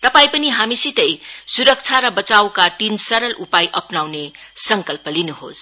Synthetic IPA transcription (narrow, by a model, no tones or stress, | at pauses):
t̪ʌpaj̃pɐniɦamisit̪ʌjsuɾʌk̚t͡ʃʰaɾʌbʌt͡sawkat̪insʌɾʌlʔupajʔʌpnawne | sʌŋkʌlpʌlinuɦo̰s